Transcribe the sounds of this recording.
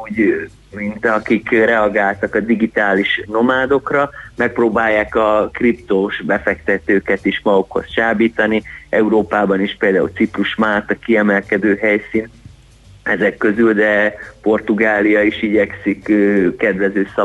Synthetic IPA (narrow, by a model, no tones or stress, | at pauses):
uːɟ | mint̪ɒkikrɛɒɡaːlt̪ɒkɒd̪iɡit̪aːliʃno̞maːd̪o̞krɒmɛk̚proːbaːjːaːkɒkript̪oʃbɛfɛkt̪ɛt̪øːkɛt̪iʃmɒɡokho̞̰st͡ʃaːbiːt̪ɒniɛuɾoːpaːbɒniʃpeːld̪aːṵlt̪sipruʃmaːt̪ɒkiɛmɛlkɛd̪øːɦɛjsiːn | ɛzɛkːø̞zyld̪ɛpo̞rt̪uɡaːlijɒiʃiɟɛksikːkːɛd̪ʋɛzøːsɒ